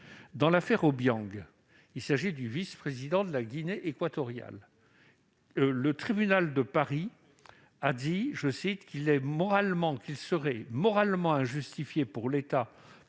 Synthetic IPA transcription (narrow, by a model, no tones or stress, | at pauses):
d̪ɑ̃lafɛʁobjɑ̃ɡ | ilsaʒid̪yvispχezid̪ɑ̃d̪əlaɡʲineʔekwat̪ɔʁja̰l | lət̪χibynald̪əpaʁi | ad̪iʒəsit̪kilɛmɔʁalmɑ̃kilsəʁɛmɔʁalmɑ̃ɛ̃ʒyst̪ifjepuʁlet̪a